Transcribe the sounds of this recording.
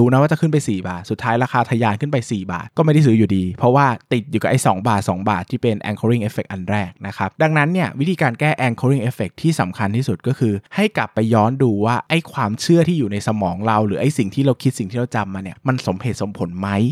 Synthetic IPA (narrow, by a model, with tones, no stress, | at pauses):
uː˧na˦˥waː˥˩t͡ɕa˨˩kʰɯ˥˩np̬a˧jsiː˨˩ba̰ː˨˩t̪̚su˨˩t̪ʰːaː˦˥jɾaː˧xʰaː˧t̪ʰa˧jaː˧nkʰɯ˥˩npa˧jsiː˨˩ba̰ː˨˩t̪̚kɔː˥˩ma˥˩jda˥˩js̬ɯː˦˥juː˨˩diː˧pʰɔ˦˥waː˥˩t̪i˨˩t̪̚juː˨˩ka˨˩ʔa˧˥˩jsɔː˩˦ŋbaː˨˩t̪̚sɔ̰ː˩˦ŋba̰ː˨˩t̪ʰːiː˥˩pe˧nʔɛ̰˧nkʰo˧ɾi˥˩ŋʔeː˦˥fe˨˩k̚ʔa˧nɾɛː˥˩k̚na˦˥kʰa˦˥p̚da˧ŋna˦˥nːi˥˩ɐwi˦˥t̪ʰiː˧kaː˧nkɛː˥˩ʔɛː˧nkʰoː˧ɾi˥˩ŋʔe˦˥fe˨˩k̚t̪ʰiː˥˩sa˨˩˦mkʰa˧nt̪ʰiː˥˩su˨˩t̪̚kɔː˥˩kʰɯː˧ha˥˩jkla˨˩pːa˧jːɔː˦˥nduː˧waː˥˩ʔa˥˩jkʰwaː˧mt͡ɕʰɯ˥˩ɐt̪ʰiː˥˩juː˨˩na˧jsa˧mɔː˩˦ŋɾa˧wɾɯː˩˦˥ʔa˥˩jsi˨˩ŋt̪ʰiː˥˩ɾa˧wkʰi˦˥t̪̚si˨˩ŋt̪ʰiː˥˩ɾa˧wt͡ɕa˧mːaː˧ni˥˩ɐma˧nso˩˦mhe˨˩t̪̚so˨˩˦mpʰo˩˦nma˦˥j